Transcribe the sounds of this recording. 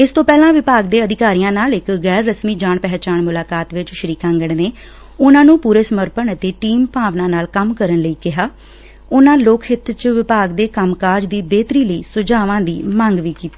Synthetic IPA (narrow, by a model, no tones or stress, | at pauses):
ɪst̪õːpɛːlãːʋɪpaːɡd̪eːəd̪ɪkaːɾijãːnaːlɪkɣɛːɾːəsmiːd͡ʒaːɳpɛɦt͡ʃaːɳmʊlaːkaːt̪ʋɪt͡ʃʃəɾiːkãːŋɡəɳneː | ʊnãːnũːpuːɾeːsəməɾpəɳət̪eːʈiːmpaːʋnãːnaːlkəmkəɾənləiːkɪɦaː | ʊnãːloːkʰhɪt̪ːt͡ʃʋɪpaːɡd̪eːkəmkaːɾd͡ʒd̪iːbeːt̪ɾiːləiːsʊd͡ʒaːʋãːd̪ḭːmãŋɡʋiːkiːt̪iː